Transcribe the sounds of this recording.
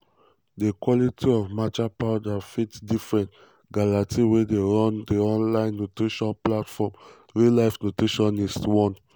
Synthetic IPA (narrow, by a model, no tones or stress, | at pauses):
dekwɔlitiɔvmat͡ʃapawdafitdifɹɛ̃nt | ɡalatiwedeɹɔ̃ndeɔ̃nlãɪ̃nːotɹiʃɔ̃nplatfɔm | ɹilaɪfnotɹiʃɔ̃niswɔ̃n